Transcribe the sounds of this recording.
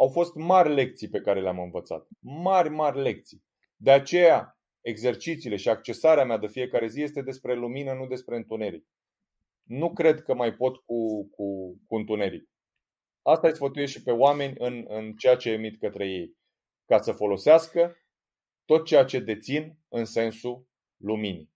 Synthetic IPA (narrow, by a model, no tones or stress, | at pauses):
awfo̞st̪marʲle̞kt̪sijpe̞kaɾe̞leamɨnvət̪sa̰t̪marʲmarʲle̞k̚t̪si | d̪e̞at͡ʃe̞ja | e̞ɡze̞rt͡ʃit̪siːle̞ʃiakt͡ʃe̞saɾeamead̪efije̞kaɾe̞zije̞st̪e̞d̪e̞spɾe̞luminənud̪e̞spɾe̞ɨnt̪une̞ɾik | nukɾe̞d̪kəmajpo̞t̪kukukuɨnt̪une̞ɾḭk̚ | ast̪aesfət̪ujeʃipe̞oame̞nʲɨnɨnt͡ʃe̞jat͡ʃe̞ːmit̪kət̪ɾe̞je̞j | kasəfo̞lo̞seaskə | t̪o̞t̪̚t͡ʃe̞jat͡ʃe̞d̪e̞t̪sin | ɨnse̞nsu | lumini